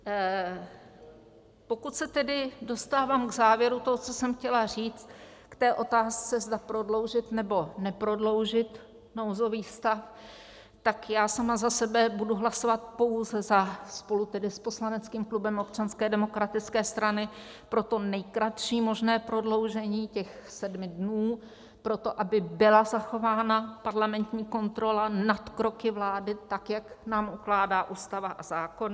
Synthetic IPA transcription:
po̞kut̪sɛt̪ɛdɪdo̞st̪aːvaːmɡzaːvjɛɾut̪oɦot͡sosɛmxcɛlar̝iːt͡st̪kt̪ɛːʔo̞t̪aːst͡sɛzdapɾo̞dlo̞wʒɪt̪nɛbo̞nɛpɾo̞dlo̞wʒɪt̪ | nowzo̞viːst̪af | t̪akjaːsamazasɛbɛbuduɦlaso̞vat̪̚po̞wzɛzaspo̞lut̪ɛdɪsposlanɛt͡skiːmklubɛmopt͡ʃanskɛːdɛmo̞kɾat̪ɪt͡skɛːst̪ɾanɪ | pɾo̞t̪o̞nɛjkɾat̪ʃiːmo̞ʒnɛːpɾo̞dlo̞wʒɛɲiːcɛxsɛdmɪdnuː | pɾo̞t̪o̞ʔabɪbɪlazaxo̞vaːnapaɾlamɛnt̪ɲiːko̞nt̪ɾo̞lanat̪kɾo̞kɪvlaːdɪt̪akjaknaːmʔuklaːdaːʔuːst̪avaʔazaːkon

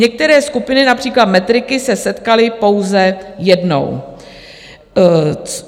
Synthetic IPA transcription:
ɲɛk̚t̪ɛɾɛːskupɪnɪnapr̥iːklat̪mɛt̪ɾɪkɪsɛsɛt̪kalɪpo̞wzɛjɛdno̞̰w

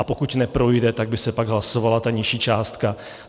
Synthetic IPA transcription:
apokut̪nɛpɾo̞jdɛt̪aɡ̚bɪsɛpaɡɦlaso̞valat̪aɲɪʃiːt͡ʃaːst̪ka

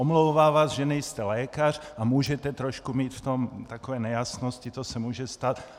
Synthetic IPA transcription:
ɔmlɔʊʋaːʋaːzʒɛnɛjst̪ɛlɛːkar | amuːʒɛt̪ɛt̪ɾɔʃkumiːt̪ft̪omt̪akɔʋɛːnɛjasnɔscit̪osɛmuʒɛst̪at̪

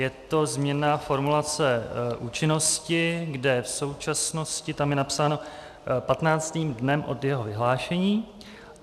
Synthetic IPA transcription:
jɛt̪o̞zmɲɛnaːfo̞ɾmulat͡sɛʔuːt͡ʃɪno̞scɪɡdɛfso̞wt͡ʃasno̞scɪt̪amjɛnapsaːno̞ | pat̪naːt͡st̪iːmdnɛmʔo̞djɛɦo̞vɪɦlaːʃɛɲiː

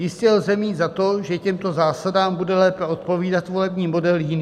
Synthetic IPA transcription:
jɪscɛlzɛmiːt̪zat̪o̞ʒɛcɛmt̪o̞zaːsadaːmbudɛlɛːpɛo̞t̪̚po̞viːdat̪vo̞lɛbɲiːmo̞dɛljɪni

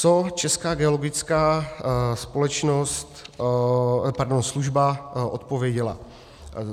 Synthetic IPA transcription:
t͡sot͡ʃɛskaːɡɛolo̞ɡɪt͡skaːspo̞lɛt͡ʃno̞st̪ | paɾdonsluʒbaʔot̪povjɛɟɛla̰

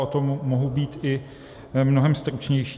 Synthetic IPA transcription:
ʔot̪omːoɦubiːt̪ʔɪ | mno̞ɦɛmst̪ɾut͡ʃɲɛjʃi

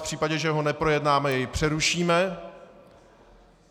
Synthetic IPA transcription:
pr̥iːpaɟɛʒɛɦo̞nɛpɾo̞jɛdnaːmɛjɛjpr̥ɛɾuʃiːmɛ

